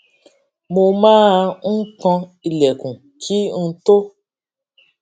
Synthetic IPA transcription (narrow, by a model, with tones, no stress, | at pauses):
mo˧mãː˦˧ŋ̩˦kɔ̃˧i˨lɛ˨kũ˨ | ki˦n̩˧˦to˦